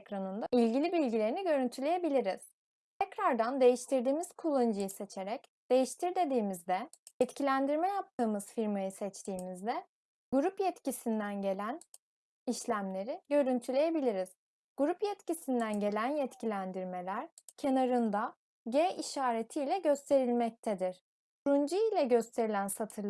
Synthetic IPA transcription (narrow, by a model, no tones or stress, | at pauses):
kɾanɯnd̪aʔilʲɟilʲibilʲɟilʲe̞ɾiniɟø̞ɾynt̪ʰylʲe̞jebilʲiɾiz̥ | t̪ʰɛcɾaɾd̪and̪e̞jiʃt̪ʰiɾd̪iːmiz̥kʰulˠːand͡ʒɯjɯse̞t͡ʃʰeɾɛcd̪̥e̞jiʃt̪ʰiɾd̪e̞d̪iːmizd̪ɛ | jɛt̪cʰilʲænd̪iɾmɛjap̚t̪ʰɯːmɯzfiɾmajɯsɛt͡ʃt̪ʰiːmizd̪ɛ | ɡ̥uɾupjɛt̪cisind̪ænɟe̞lʲæn | iʃlʲæmlʲe̞ɾiɟø̞ɾynt̪ʰylʲe̞jebilʲiɾiz̥ | ɡ̥uɾupjɛt̪cisind̪ænɟe̞lʲænjɛt̪cʰilʲænd̪iɾme̞lʲæɾ̥ | cʰe̞naɾɯnd̪a | ɟeiʃaːɾet̪ʰijlʲɛɟø̞st̪ʰe̞ɾilʲmɛc̚t̪ʰɛd̪iɾ̥ | kʰɾund͡ʒɯjɯlʲɛɟø̞st̪ʰe̞ɾilʲænsat̪ʰɯɾˠ